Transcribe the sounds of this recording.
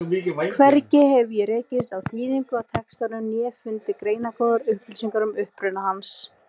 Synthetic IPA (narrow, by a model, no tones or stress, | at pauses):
ikʰvɛɾcɪhɛvʏjɛɾeːcɪs̬t̪awθviːðiŋkʏawt̪ʰɛkst̪aɾnʏmnjɛːfʏnt̪ɪkɾeːjnakowðaɾʏhpɪlsiŋkaɾʏmʏhpɾʏnahans